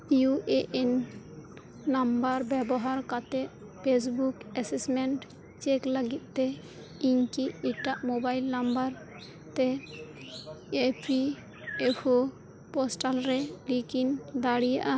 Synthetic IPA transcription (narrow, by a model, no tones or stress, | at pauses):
juʔeʔen | ambaɾbɛbɔɦaɾkat̪ɛʔ | pʰes̬bukɛsismɛɳʈ | t͡ʃekləɡit̪̚ˀt̪ːɛ | iɲkiiʈaʔmobajlnambaɾ | t̪ɛ | epʰi | epʰo | pɔsʈalɾɛlikind̪aɽijaʔa